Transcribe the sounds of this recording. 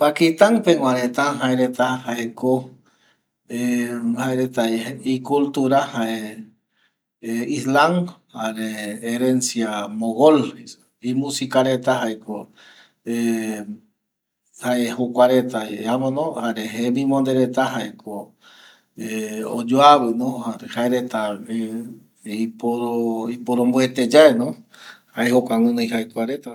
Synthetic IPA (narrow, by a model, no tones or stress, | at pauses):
pakit̪aŋpeŋwaɾet̪aɦaeɾet̪ahaeko | ehaeɾet̪aikult̪uɾahae | islaŋhaɾeːɾensjamoɣoli | imũsikaɾet̪aɦaeko | e | haehokʷaɾet̪aeamonõhaɾeɦemĩmõnd̪eɾet̪aɦaeko | eo̰d͡ʒoaβenohaɾehaeɾet̪ae | ipoɾoipoɾombwet̪ed͡ʒaenõhaehokʷaŋunoiɦaekʷaɾet̪a